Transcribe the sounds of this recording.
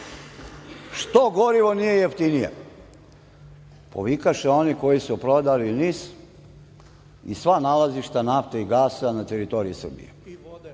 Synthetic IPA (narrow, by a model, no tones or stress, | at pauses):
ʃt̪oɡoɾiʋo̞nijejeft̪inijḛ | po̰ʋikaʃeo̞niko̞jisupɾod̪aliniːs | isʋanalaziʃt̪anaft̪eiɡaːsanat̪eɾit̪o̞ɾiisr̩bḭjḛ